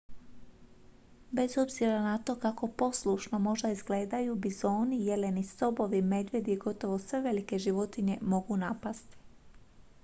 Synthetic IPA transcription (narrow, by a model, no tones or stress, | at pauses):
be̞zo̞bziɾanat̪o̞ːkako̞po̞slˠuʃnomo̞ʒd̪aizɡle̞ːd̪ajubizo̞ːnije̞le̞nist̪o̞bo̞ʋime̞d̪ʋje̞d̪iɡo̞t̪o̞ʋo̞sʋe̞ʋe̞like̞ʒiʋo̞t̪iɲe̞mo̞ɡunapast̪i̥